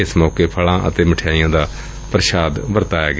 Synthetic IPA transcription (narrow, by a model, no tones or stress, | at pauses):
ɪsmoːkeːpʰəɭãːʔə̰t̪eːməʈʰɪjaːijãːd̪aː | pɾəʃaːd̪ʋəɾt̪aːjaːɡ